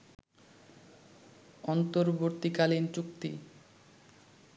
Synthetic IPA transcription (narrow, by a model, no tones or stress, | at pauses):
ɔnt̪oɾboɾt̪ːikalint͡ɕukt̪ḭ